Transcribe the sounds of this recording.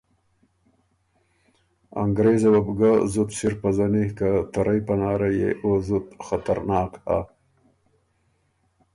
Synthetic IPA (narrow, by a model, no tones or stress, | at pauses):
a̰ŋɡɾezawabɡazut̪siɾpazanihkat̪aɾʔajpanɑːɾajḛʔozut̪xat̪aɾnɑːkha̰